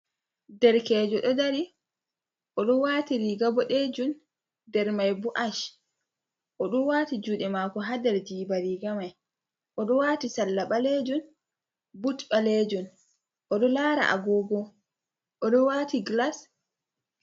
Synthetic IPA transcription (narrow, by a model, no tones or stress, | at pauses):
dɛɾkɛːd͡ʒɔɗɔdaɾi | ʔɔɗɔwaːtiɾiɡabɔɗed͡ʒun | dɛɾmajbuʔaʃ | ʔɔɗunwaːtid͡ʒuɗɛmakɔɦadɛɾd͡ʒiːbaɾiɡamaj | ʔɔɗɔwatisalːaɓaled͡ʒun | butɓaled͡ʒun | ʔɔɗɔlaːɾa̰ʔa̰ɡɔːɡɔ | ʔɔɗɔwatiɡlas